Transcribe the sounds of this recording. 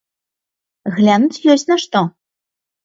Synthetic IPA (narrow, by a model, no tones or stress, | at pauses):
ɣlʲanut͡sʲjɔsʲtʲnɐʂt̪ɔ